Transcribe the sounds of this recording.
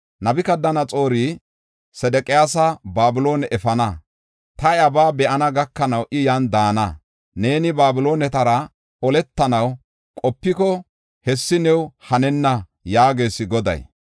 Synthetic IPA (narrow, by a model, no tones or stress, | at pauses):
nɐbɪkɐd̪ːɐnɐt͡sʼo̞ːɾiː | sɛd̪ɛkʼɪjaːsɐbaːbɪlo̞ːnɛʔɛfɐnɐ | t̪ɐjɐbaːbɛʔɐnɐɡɐkːɐnɐwʔɪjɐnd̪aːnɐ | ne̞ːnɪbaːbɪlo̞ːnɛt̪ɐɾɐ | ɔlɛt̪ːɐnɐw | kʼɔpːɪkɔ | hɛsːɪnɛwhɐnɛnːɐ | jaːɡe̞ːsɪɡɔd̪ɐ̰j